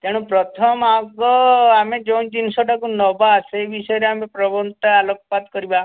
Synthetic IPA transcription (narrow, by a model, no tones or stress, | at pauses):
t̪eɽ̃upɾɔt̪ʰɔmaɡɔamed͡ʒewnd͡ʒinsɔʈakunɔbaːseːbisɔjɔɾeamepɾɔbɔnt̪aalɔkɔpat̪kɔɾiba